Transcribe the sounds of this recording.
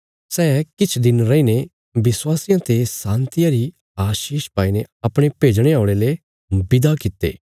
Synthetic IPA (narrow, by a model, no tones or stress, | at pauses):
sɛːkɪt͡ʃʰd̪ɪnɾɐine | bɪswaːsɪjãt̪esãːnt̪ɪjaɾi | aːʃiːʃpaːineɐpɽ̃epeːd͡ʒɽ̃eaʊɽ̃ele | bɪd̪akɪt̪ḛː